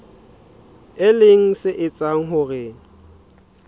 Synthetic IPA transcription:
ɪlɪŋ̩sɪʔɪt͡sʼaŋ̩ɦʊɣɪ

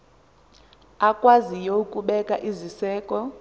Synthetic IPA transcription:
akʼwazijoukʼuɓɛkʼaʔizisɛːkʼɔ

